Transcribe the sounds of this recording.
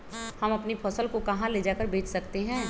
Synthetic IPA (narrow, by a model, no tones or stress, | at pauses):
hɐmɐpnipʰɔːsəlkokɐɦãleːd͡ʒaːkəɾbeːt͡ʃsɐkt̪eɦɛ̃ː